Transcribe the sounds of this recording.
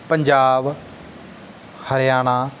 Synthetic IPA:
pəɲd͡ʒaːb | həɾjaːñaː

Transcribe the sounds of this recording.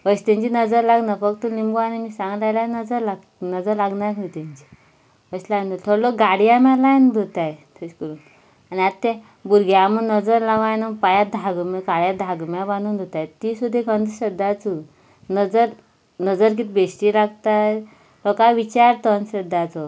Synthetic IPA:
ʋəɕt̪ẽɲt͡ɕinəd͡zəɾlaɡnafəkt̪ulimbuanimiːsãŋɡlajlanəd͡zəɾla | nəd͡zəɾlaɡnaɾɦut̪ãɲt͡ɕi̥ | ʋəɕlajnd̪oɾt̪ʰoɾlokɡaɽijamãlajnd̪ʱot̪ajt̪ʰəɕkəɾuːn | aniat̪ːɛ̃ | buɾɡaamunəd͡zəɾlaʋãjnapajad̪ʱaɡmakaɽjad̪ʱaɡmjabanuːnd̪ʱot̪ajt̪isud̪ʱːekənd̪ɕəd̪at͡su | nəd͡zəɾ | nəd͡zəɾk̬it̪ʰbeɕʈilaɡt̪a | lɔkaʋit͡ɕaɾt̪ɔnɕəd̪ʱːat͡sɔ

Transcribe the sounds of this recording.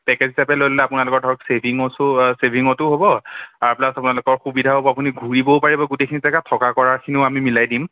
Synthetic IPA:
pɛkezɦisapɛlojllɛapʊnalʊkɔɹdʱɔɹɔksebʱiŋɔssebʱiŋɔtʊɦobɔaɹplasapʊnalʊkɔɹxubidʱaɦobɔapuniɡʱuɹibopaɹibɔɡutejkʰinitakatʰɔkakɔɹaɹkʰiniʊamimilajdim

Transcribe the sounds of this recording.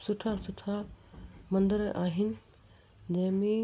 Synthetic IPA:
sʊʈʰasʊʈʰa | mɐ̃nd̪əɾaːɦɪnɪ̆ | d͡ʑɐ̃ɦmẽ

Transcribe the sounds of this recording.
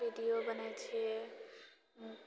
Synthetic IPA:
iɖijobʌnajt͡ʃʰe

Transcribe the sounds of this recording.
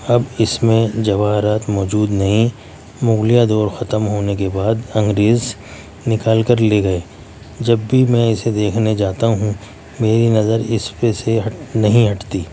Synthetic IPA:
ɐbɪsmẽd͡ʒɐʋaːɦɾaːt̪mɔːd͡ʒuːd̪nɐɦĩ | mʊɣlijad̪ɔːɾxɐt̪əmɦoːnekebaːd̪ɐ̃ŋɡɾeːz | nɪkaːlkəɾleɡɐeː | d͡ʒɐbːimɛ̃ɪsed̪eːkʰned͡ʒaːt̪aɦũ | meːɾinɐzəɾɪspesenɐɦĩɦɐʈt̪iː

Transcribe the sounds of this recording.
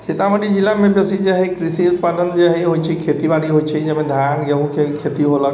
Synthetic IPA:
sit̪aməɖid͡ʒilːamẽbjəsid͡ʒeɦɛkɾɪsiʊt̪̚paːd̪ənd͡ʒeɦɛɦoit͡ʃʰikʰet̪ibaɽiɦot͡ʃʰɛd͡ʒəmẽd̪ʱjanɡəɦũkʰekʰet̪iɦolək

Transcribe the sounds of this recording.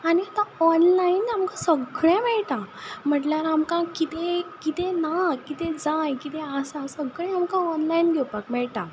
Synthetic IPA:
aniat̪ãɔnlainamkãsəɡɭɛ̃mɛɭʈãm̤əʈljaɾamkãkit̪ekit̪enakit̪ed͡zajkit̪eəsãsəɡɭɛ̃amkãɔnlainɡʱɛwpakmɛɭʈa

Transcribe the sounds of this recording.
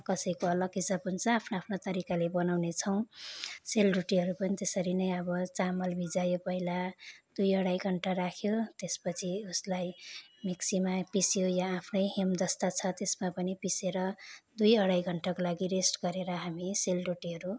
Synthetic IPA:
kʌsʌjkoʌlʌɡisʌbunsʌ̃apʰnoapʰnat̪ʌɾikalebʌnawnet͡sʰʌw̃selɖuʈiɦʌɾupʌnit̪esʌɾinʌjʌbʌt͡samʌlbʱid͡zajopʌɦilad̪̥ujʌɽajɡʱʌɳʈaɾakʰjot̪espʌt͡sʰiuslajmiksimapisjojaːpʰnʌjɦemd̪ʌst̪at͡sʰʌt̪esmapʌnipiseɾʌd̪ujʌɽajɡʱʌɳʈakolaɡiresʈɡʌɾeɾʌɦamiselruʈiɦʌɾu

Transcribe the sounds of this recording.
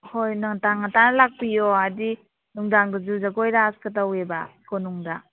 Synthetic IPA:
hojnaŋtaŋatanalak̚pijɔadi | nuŋdaŋɡɯzuzaɡojɾaskɯtaweba̰kʰonuŋda

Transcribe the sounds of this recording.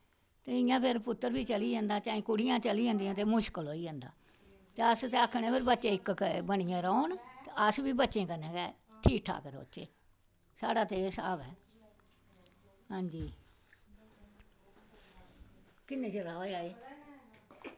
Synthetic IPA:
t̪eːɪjãːpʰɪɾpʊt̪ːəɾbiːt͡ʃəliːd͡ʒãːnd̪aːt͡ʃãːĩːkʊɽijãːt͡ʃəlid͡ʒãːnd̪ijãːt̪eːmʊʃkəlɦoːiːd͡ʒãːnd̪a̰ː | t̪eːəst̪eːəkʰːɳẽːpʰɪɾbətːʃẽːɪkkbəɽɪjãːɾəːont̪eəsʋiːbətːʃẽːkənɛ̃ːkɛː | ʈʰiːk̚ʈʰa̰ːkəɾo̰ːt͡ʃḛː | saːɽaːt̪eeːsa̰ːʋɛː | ɦãːɲd͡ʒiː | kɪnːẽːt͡ʃeɾaːoeaːeː

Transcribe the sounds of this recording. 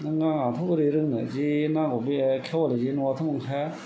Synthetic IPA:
nɯŋɡaŋat̪ʰobɯɾiɾɯŋnɯ̰d͡ʑinaŋɡobiekʰewɔlid͡ʑinɯwat̪ʰɯmɯŋkʰaja

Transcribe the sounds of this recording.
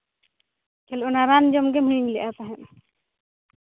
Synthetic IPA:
kʰɛlɔnaɾand͡ʒɔmɡɛm̤iɽ̃iɲlɛʔat̪aɦɛʔ

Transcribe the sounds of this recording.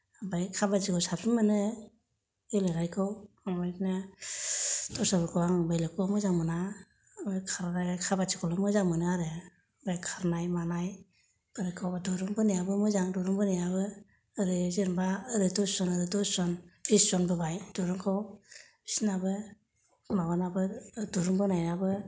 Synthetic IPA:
abajkʰabazikɔwsapʰɯnmɯnɯ | elɯɾajkʰɯw | aŋbajnɯ | d̥ɔsabɯkʰɔwaŋbajlekʰɔwamɯzaŋmɯna | bajkʰaɾakʰabad͡ʒikʰɔlɯmɯzaŋmɯnɯaɾɯ | bajkʰaɾnajmanaj | b̥ɯɾajkʰawbadɔɾɯŋbɯnijabɯmɯzaŋdɔɾɯŋbɯnijabɯː | ɾɯzeɾmbaɯɾɯdɔssɔnɯɾɯdɔsɔnbʰisɔnbɯbajdɔɾɯŋkʰawbisnabɯ | mawanabɯdɔɾɯŋbɯnajabɯ

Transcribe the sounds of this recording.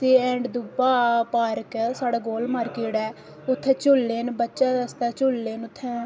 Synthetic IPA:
t̪eːɛ̃ːɳɖd̪ʊbaːpaːɾəksaːɽaːɡoːlmaːɾkeːɽɛː | ʊt̪ʰːɛ̃ːt͡ʃʊlːeːnbətːʃãːəst̪aːt͡ʃʊlːeːnʊt̪ʰːɛ̃ː

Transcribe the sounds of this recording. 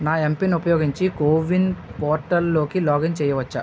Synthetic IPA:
naːempiniupɐjoːɡiɲt͡ʃikoːʋinpɔːɾʈɐlːoːkilɔːɡɐɲt͡ʃɛːjɐʋɐt͡ʃːa̰

